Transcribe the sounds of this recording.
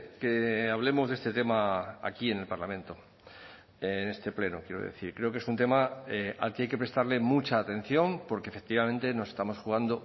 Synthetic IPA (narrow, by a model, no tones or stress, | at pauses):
keaβ̞le̞mo̞zðe̞st̪et̪e̞maa̰kie̞ne̞lpaɾlamẽ̞nt̪o̞ | ene̞st̪e̞ple̞nokje̞ɾo̞̰ðeθiɾkɾe̞o̞ke̞sunt̪e̞maea̰lke̞ajke̞pɾe̞st̪aɾle̞mut͡ʃaːt̪e̞n̟θjo̞mpo̞ɾkefe̞k̚t̪iβamẽ̞nt̪e̞no̞se̞st̪amo̞sxuɣand̪o